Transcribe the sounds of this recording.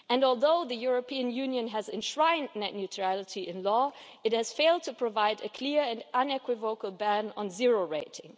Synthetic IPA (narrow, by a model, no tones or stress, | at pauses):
ɨ̃nɔlˠðoʊðɨjʊɹəpʰiɨ̃njʉ̃njɨ̃næzɨ̃nʃɹãɪ̃nnɛnjʉtʰɹ̥ælˠətʰiʔɪ̃nlɔ | ɨt̚hɨz̥feɪlˠd̚tʰɨpʰɹ̥ɨvaɪdɨkʰl̥ɪɹɨ̃nãnɛkʰwɨvoʊkəl̩ˠbæ̃nə̰̃nzɪɹoʊɹeɪtɪ̃ŋ